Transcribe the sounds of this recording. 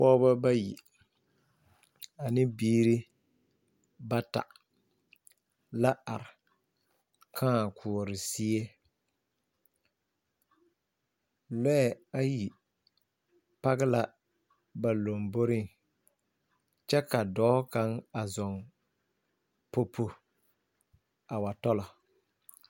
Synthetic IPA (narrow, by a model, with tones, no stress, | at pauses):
pɔː˦ba˦ba˦jḭ˨ | a˨nɪ˦biː˦ɾi˦ | ba˦ta̰˨ | la˦a˨ɾɪ˨ | kʰãː˦˨kʰʊ˨ɔ˨ɾɪ˨si˦e˦ | lɛ˦˨a˦ji˨ | pa˦ɣɪ˦la˦ | ba˨lo˨mbo˦ɾɪ˦ŋ | t͡ʃɛ˦ka˨dɔː˨˦ka˨˦ŋa˨zɔ˨ŋ | po˦pʰo˨ | a˨wa˨tɔ˦lɔ˨